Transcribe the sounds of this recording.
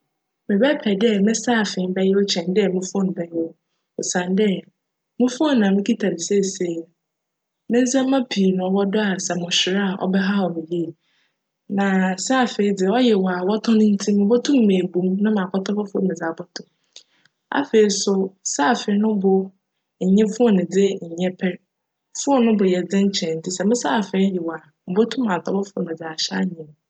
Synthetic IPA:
mɪ̃˨bɛ˦pʰɛ˨dɛ˦mɪ̃˦saː˦˨fɪ̃˨˦m˦bɛ˦jɛ˦ɔ˦t͡ɕʰɛ̃˨n˦dɪ˦ɛ˦˨mũ˦fõ˦n˨bɛ˦jo˦ | ɔ˨sã˨n˦dɛ˦ | mʊ̃˦fõ˦n˨nã˨mɪ̃˦kʰi˦tʰa˨ɾɪ˨se˦˨se˨ | mɪ̃˦n̩˦s̬ã˦m˦mã˦pʰi˨nʊ̃˨ɔ˨wɔ˦dɔ˦a˨sɛ˨mʊ̃˨ɕᶣɪ˨ɾa˦˨ʔɔ̰˦bɛ˦ɦa˦ɔ˨mɪ̃˨ji˦˨ | nã˨sa˦˨fe˨i˨˦dɪ˨ɔ˦jɛ˨wa˨wɔ˦tʰɔ̃˦nʊ̃˦n̩˦tʰĩ˦mɪ̃˦bo˦tʰũ˦m˨mẽ˨bũ˦mnʊ̃˦mã˨kʰɔ˦tʰɔ˦bɔ˦fʊ˦ɾmɪ̃˨d͡za˨bɔ˦tʰʊ˨ | a̰˨fe˨i˨sʊ˦sa˦˨fe˨i˦nʊ̃˦bʊ˨ | ɲ̩˨ɲɛ̃˦fʊ˦ɔ˦nɪ̃˨dɪ˦ɲ̩˨ɲɛ̃˦pʰɛ˦ɾ | fʊ˦ɔ˦nʊ̃˦bʊ˨jɛ˨d͡zɪ̃˦ɲ˦t͡ɕʰɛ̃˨n̩˨tʰɪ˦sɛ˨mɪ̃˦sa˦˨fe˨i˦jɛ˨wa˨ | m̩˨bo˦tʰũ˦mː˦ã˨tʰɔ˦bɔ˦fʊ˨˦˨mɪ̃˨d͡za˨ɕa˦˨ɲɪ̃˨n˨

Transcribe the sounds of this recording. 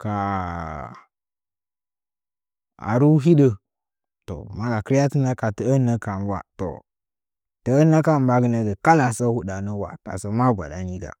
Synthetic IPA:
ka˨ | a̰˨ɾu˦ɦi˦ɗə˦ | to̰˨ma˦la˨kə˦ɾja˦ti˦na˦ka˨tə˨ə˦nə˦ka˨nwa̰˦to̰˨ | tə˨ə˦na˦ka˦m˨ba˦ɡə˦nə˨ɡə˨ka˦la˨sa˦wu˦da˨nə˦wa̰˨ta̰˨sə˨ma˦ɡʷa̰˨da˨ni˦ɡa̰˨

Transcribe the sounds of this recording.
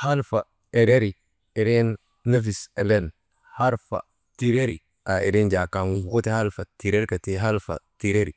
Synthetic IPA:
ha˦lfa˨ | e˨ɾe˦ɾi˨ | e˨ɾe˦n | na˦fi˨se˨le˦n | ha˦ɾfa̰˨ | ti˨ɾe˦ɾi˨ | a˨e˨ɾi˦nd͡ʒa˨ka˨nwo˦te˦ha˦lfa˨ti˨ɾe˦ɾka˨ti˦ɦa˦lfa̰˨ti˨ɾe˦ɾi˨

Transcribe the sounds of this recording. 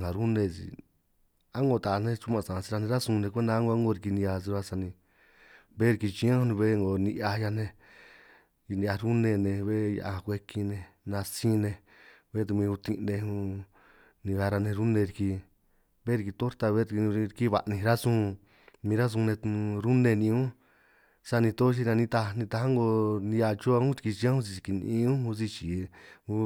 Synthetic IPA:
ã˨ɾu˦nẽ˧sḭ˨ | a˦ŋɡo˧˨t̪a˨˧nẽ˦t͡ʃu˦mã˧˨sã˨˧si˧ɾa˧nẽ˧ɾa˦sũ˧nẽ˧kʷe˦nd̪a˧˦ŋɡo˧˦ŋɡo˧ɾi˧ki˧nĩ˧a˧s̬i˧ɾa˧sa˧nĩ˧ | βe˦ɾi˧ki˧t͡ʃĩ˧˦ã˦˧nũ˧βe˦˧ŋɡo˨nĩ˧ʔa˧ja˧nẽ˧ | nĩ˧a˧ɾu˦nẽ˧nẽ˧βe˦ja̰˧ʔa˧hã˧kʷe˧ki˧nẽ˧ | nã˧sĩ˦nẽ˧ | βe˦t̪u˧mĩ˧u˧t̪ĩ˧nẽ˧ũ˧ | nĩ˧ɣa˧ɾa˧nẽ˧ɾu˦nẽ˧ɾi˧ki˧ | βe˦ɾi˧ki˧t̪o˦ɾt̪a˧βe˦˧ɾi˧ki˦βa˨ʔnĩ˧ɾa˦sũ˧˦ | mĩ˧ɾa˦s̬ũ˧nẽ˧t̪ɾu˦nẽ˧nĩ˧˦ũ˦ | sa˦˧nĩ˧t̪o˦ʃ̬i˧nã˧nĩ˧t̪a˧nĩ˧t̪a˧ha˦ŋɡo˧nĩ˧a˧t͡ʃo˦a˧ũ˦t͡ʃi̥˧ki˧t͡ʃi˧ã˦hũ˦s̬i˧i˧ki˧nḭ̃˧˦ũ˦hu˧si˧t͡ʃi˨u˦

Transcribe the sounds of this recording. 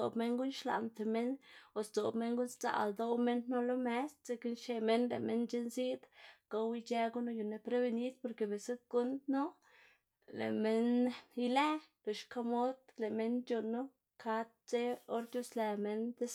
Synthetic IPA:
o̰˨bme˧˦ŋɡu˦nʃla̰˨nt̪e˨me˦no˨sd̪o˨bme˦ŋɡu˦nst͡sa̰˨ld̪o˧˦wme˦nno˦lo˦me˦st͡se˧˦ki˦nʃe˧me˦nlḛ˨me˦nt͡ʃe˦nzi˦d̪ka˧wi˧t͡ʃe˦ɡu˦no˧ju˨ne˧pɾe˦be˧ni˦d̪̚po˧ɾke˨be˨se˦t̪̚ɡ̥u˦nd̪no˦ | lḛ˨me˦ni˦le˦lo˨ʃka˧mo˦d̪le˨me˧nt͡ʃu˧nːo˦ | kʰa˧t̪̚t͡se˦o˦ɾd̪ʲjo˦sle˨me˧nt̪e˦s

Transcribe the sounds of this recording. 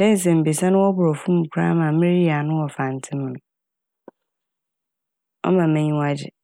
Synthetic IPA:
dɛ̃˦n˨s̬ɛ̃˨m̩˨bi˨sa˦nʊ̃˦wɔ˦bʊ˨ɾɔ˨fũ˦m̩˨kʰʷu˦ɾa̰˦mã˨mɪ̃˦ɾi˦a˨nʊ̃˦wɔ˨fa˨n˨tʰɪ̃˦m˨nʊ̃˨ | ɔ̰˦mã˨mɛ̃˦ɲĩ˦wa˦d͡ʑɪ̰˨

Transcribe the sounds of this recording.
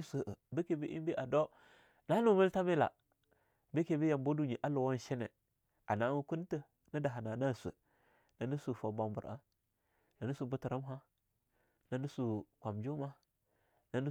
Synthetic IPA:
sʷə˨ʔə˨bə˦ke˨bi˦ʔḭ˦mbi˦ʔa˨do˦ | na˦nu˦mə˦lta˦me˦la̰˨ | bə˦ke˨bi˦ja˨mbo˦du˦ɲi˨ʔa˦lo˨wa˦n˨ʃe˦nḛ˨ | a˨na˨˦u˦ku˦n˦tə˦ | nə˦da˨ɦa˨na˨na˦˨sʷə̰˨ | na˨nə˦su˨fo˨ba˨mbu˨ɾʔa̰˦ | na˨nu˦su˨bu˦tə˨ɾa˦mɦa˦ | na˨nu˦su˨kʷa˨md͡ʒo˦ma˦ | na˨˦nu˦

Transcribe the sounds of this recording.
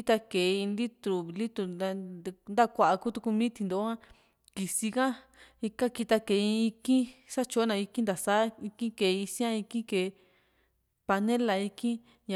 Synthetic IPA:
i˦t̪a˧ke˨i˧nd̪i˦t̪ɾu˨βli˦t̪u˧a˧nd̪a˦kʷa˧ʔa˧ku˦t̪u˧ku˧mĩː˦t̪i˧nd̪o˨˦ã˦ | ki˨si˧kã˦ | i˧ka˦ki˧t̪a˧ke˨˦ĩ˧i˧kĩ˦sa˦t͡ʃo˧˦nã˧i˧kĩ˦nd̪a˨sa˦i˧kĩ˦ke˨˧i˧sĩ˦ã˦˧i˧kĩ˦ke˨˧ | pa˧nẽ˦la˨i˧kĩ˦ | ɲã˨

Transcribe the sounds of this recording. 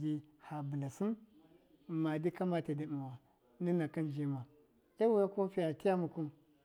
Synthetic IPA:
ɡi˦ha˨bi˨na˨si˦m | ma˨di˦ka˦ma˦ta˨di˨m˨wa˨ | ni˦na˨ka˦nd͡ʒe˦ma˨ | e˦wu˦ja˦ko˦fi˦ja˨ti˦ja˦mu˨ku˦m

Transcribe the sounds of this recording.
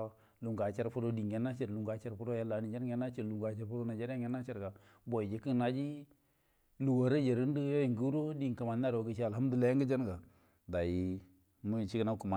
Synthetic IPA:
lu˨ŋɡa˨t͡ʃe˦ɾfu˦ɾo˦di˨ŋe˨nːa˦t͡ʃe˨ɾlu˨ŋɡa˨t͡ʃe˦ɾfu˦ɾo˦ja˦la˨˦ni˨d͡ʒa˦n˦e˦nːa˦t͡ʃe˦ɾlu˨ŋɡa˨t͡ʃe˦ɾfo˦ɾo˦na˨d͡ʒe˦ɾa˦ŋe˦nːa˦t͡ʃe˦ɾka˨ | bo˨d͡ʒi˨ki˦˨na˨d͡ʒi˦ | lu˨wa˨ɾa˦d͡ʒe˨ɾi˦n˦di˦jo˦ji˨ŋɡu˦ɾo˦di˦ŋ˨ka˨ma˨nː˦a˦ɾo˨ɡə˨ʃi˦a˨lha˦m˦du˨le˦ŋɡə˦d͡ʒa˦n˦ɡa˨ | da˨ji˨ | mə˦˨t͡ʃi˦kə˦na˦ku˨ma˨

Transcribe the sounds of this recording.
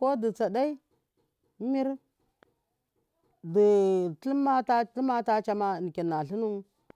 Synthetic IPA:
ko˦di˨t͡sa˨da˦i˦ | mi˦ɾ | di˨tlma˦ta˦tlma˦ta˦t͡ʃa˦ma˦˨n˨ki˨nːa˨ɬi˦nu˦

